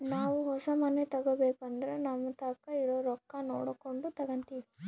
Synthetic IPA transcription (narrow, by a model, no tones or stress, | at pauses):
naːʋuɦɔsɐmɐnet̪ɐɡɐbeːkuɐnd̪ɐɾenɐmːɐt̪ɐːkːɐiɾoːɾɔkːɐno̰ːɽɐkoɳɖut̪ɐɡɐnt̪iːʋi